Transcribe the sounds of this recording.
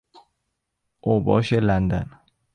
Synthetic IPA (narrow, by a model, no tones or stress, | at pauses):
ʔobɒːʃelænd̪æ̰n